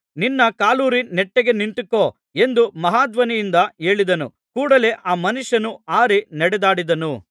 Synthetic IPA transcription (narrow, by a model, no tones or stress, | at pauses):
ninːɐkaːluːɾineʈːeɡe̞nint̪ikːoː | e̞nd̪umɐɦaːd̪ʋɐnijind̪ɐe̞ːɭid̪ɐnṵ | kuːɽɐle̞ʔaːmɐnuʂɐnuaːɾinɐɽɛd̪aːɽid̪ɐnu